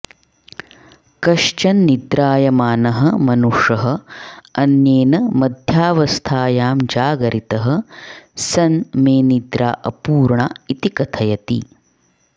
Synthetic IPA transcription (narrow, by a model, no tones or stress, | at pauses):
kɐʂt͡ʃɐnːid̪ɾaːjɐmaːnɐɦɐmɐnuʂɐɦɐ̆ɐnjeːnɐmɐd̪ʱjaːʋɐst̪ʰaːjaːmd͡ʒaːɡɐɾʔit̪ɐɦɐ̆sɐnmeːnid̪ɾa̰ːʔɐpuːɾɳait̪ikɐt̪ʰɐjɐt̪ḭ